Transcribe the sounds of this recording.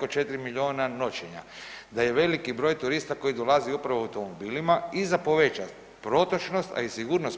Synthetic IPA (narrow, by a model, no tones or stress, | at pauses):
kot͡ʃe̞t̪ɾimiʎio̞ːnano̞t͡ɕeɲa̰d̪aje̞ʋe̞likibɾo̞ːjt̪uɾist̪ako̞id̪o̞lˠaziupɾaʋoawt̪o̞mobilimaizapo̞ʋet͡ʃa | pɾo̞t̪ot͡ʃno̞st̪a̰isiɡuːɾnos